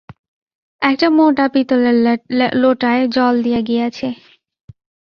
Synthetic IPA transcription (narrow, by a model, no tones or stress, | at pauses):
ɛk̚ʈamoʈapit̪ol | loʈaed͡ʑɔld̪ijaɡijat͡ɕʰe